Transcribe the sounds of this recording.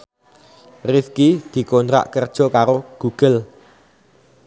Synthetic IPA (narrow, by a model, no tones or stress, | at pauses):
riskid̪̥i̤kont̪ɾa̰ʔkərd̥ʒ̥ɔ̤kaɾoɡ̥uɡ̥əl